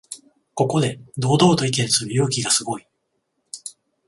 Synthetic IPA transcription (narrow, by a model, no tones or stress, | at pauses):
ko̞ko̞d̪e̞d̪o̞ːd̪o̞ːt̪o̞ik̬e̞sɨɾɯ̟joːkʲiɡasɨɡo̞i